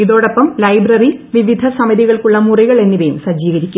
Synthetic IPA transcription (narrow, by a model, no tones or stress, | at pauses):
iðo̞ːɽɐpːɐmlɐjbrɐriʋiʋid̪ʱɐsɐmɐðiɣɐɭkuɭːɐmuriɣɐɭe̞nːiʋejumsɐd͡ʑiːɣɐɾikʲːum